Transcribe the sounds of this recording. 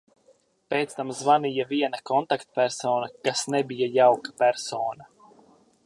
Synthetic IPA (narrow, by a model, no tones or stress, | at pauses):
peːt̪st̪amzvanijaviɛnakɔnt̪akt̪̚pʲæɾsoːnakasnebijajawkḁpæɾsoːna